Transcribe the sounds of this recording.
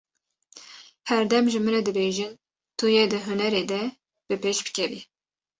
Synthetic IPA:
hɛɾd̪ɛmʒɨmɨɾɛd̪ɨbeːʒin | t̪ʰujed̪ɨɦʊnɛɾeːd̪ɛ | b̥ɨpeːʃbɨ̥kʲʰɛviː

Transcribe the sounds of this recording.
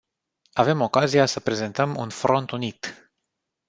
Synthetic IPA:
ave̞mo̞kazijasəpɾe̞ze̞nt̪əmṵnfɾo̞nt̪unit̪

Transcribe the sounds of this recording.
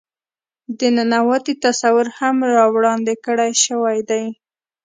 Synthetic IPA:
d̪ənanawat̪it̪asawʊɾhamɾɑwɽɑnd̪ɪkəɽajʃəwajd̪aj

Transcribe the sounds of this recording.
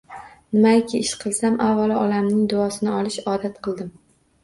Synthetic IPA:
nɪmaɪkʲʰɪɪʃqʰɨlˠsamʔavːalˠʔɒlamnɪŋd̪ʊɒsɪnɪɒlɪʃɒːd̪at̪qʰɨlˠd̪ɪm

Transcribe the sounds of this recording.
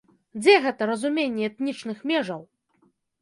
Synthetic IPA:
d͡zʲɛɣɛt̪ɐɾɐzumʲenʲːɛɛt̪nʲit͡ʂnɨxmʲɛʐɐw

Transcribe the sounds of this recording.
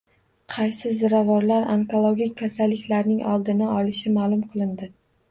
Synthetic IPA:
qʰɑjsɪzɪɾavɒɾlaɾa̰ŋkolˠoɡʲikʲʰːasalːɪkʲlaɾnɪŋʔɒlˠd̪ɪnaɒlˠɪʃɪmaːlˠʊmqʰɨlˠɪnd̪ɪ

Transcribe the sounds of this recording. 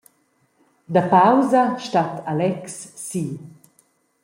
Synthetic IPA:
d̪apawzaʃtatʰalɛksːiː

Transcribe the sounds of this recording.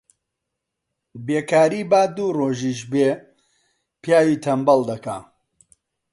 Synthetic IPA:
beːkaːɾiːbaːd̪uːroːʒiːʃbe | pjaːjiːt̪ʰɐmbɐld̪ɐkaː

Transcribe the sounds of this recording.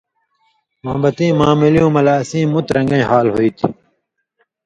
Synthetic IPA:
mãːbɐt̪ĩːmãːmiljũːmɐlaːsĩːmut̪ɾɐ̃ŋɡɐ̃ɦaːlɦoiːt̪ʰi̥

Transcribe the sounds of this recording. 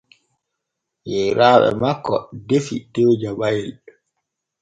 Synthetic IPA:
jɛɾaːɓɛ̰makːɔdefḭtewd͡ʒabajɛl

